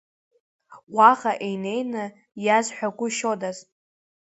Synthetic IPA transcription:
waʁaʔejne̞jnɨ | jazħʷᶣaɡʷʊʃodazʼ

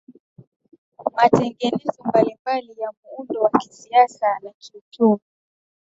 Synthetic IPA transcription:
matɛŋɡɛnɛzɔmbalimbalijamuundɔwaki̥siasanakiutumu

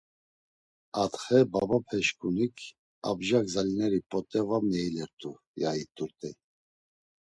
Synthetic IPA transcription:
at̪χɛbabapʰɛʃkʼunikʰ | a̰bʒaɡzalinɛɾipʼɔt̪ʼɛvamnɛilɛɾt̪ʰʼu | jait̪ʼuɾt̪ʼɛ

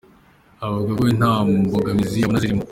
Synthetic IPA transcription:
aβaɡaɡoin̥hamboɡamiziaunaziɾimu

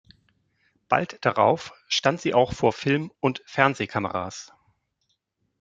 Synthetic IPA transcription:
b̥a̰ltd̥aʁa̰ʊfʃtantz̥iːʔaʊxfoːɐfɪlmʊntfɛɐnzeːkʰamə̰ʁa̰ːs

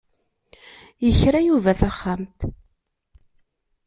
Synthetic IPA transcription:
jəçɾajuvæθæχːamt̪

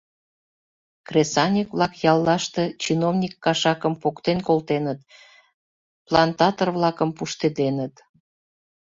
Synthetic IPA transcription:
kresɑnʲikβlɑkjɑlːɑʃt̪e̽t͡ɕinovnʲikːɑʃɑkəmpokt̪enkolt̪enət̪ | plɑnt̪ɑt̪orβlɑkəmpuʃt̪ed̪enət̪

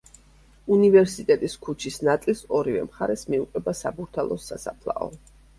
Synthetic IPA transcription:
univɛɾsit̪ʼɛt̪ʼiskʰut͡ʃʰisnat̪sʼilˠsɔɾivɛ̰mχaɾɛsmiuqʼɛbasabuɾt̪ʰalˠɔsasapʰlˠa̰ɔ̰

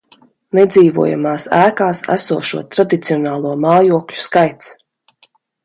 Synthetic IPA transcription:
nɛd̪ziːvṵɔja̰maːsæːkaːsæ̰suɔʃṵɔt̪ɾad̪it̪siɔnaːlˠuɔmaːjuɔklʲu̥skajt̪s

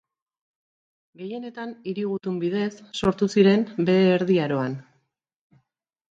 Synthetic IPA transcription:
ɡe̞je̞ne̞t̪aniɾiɣut̪umbið̞e̞sːo̞ɾt̪usiɾe̞mbe̞eːɾðiaɾo̞an

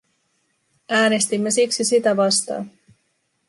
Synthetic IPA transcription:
æːne̞st̪imːe̞siksisit̪æʋɑst̪ɑ̰ːn

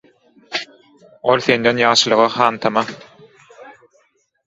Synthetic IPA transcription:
olθend̪enjɑːʃɯlˠɯʁɑχɑːnt̪ʰɑmɑ

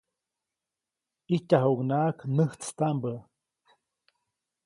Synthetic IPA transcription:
icʲaɦuknaːknəht͡st̪ambə

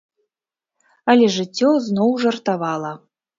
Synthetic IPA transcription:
ɐlʲɛʐɨt͡sʲːɔznɔwʐɐrt̪avalˠɐ

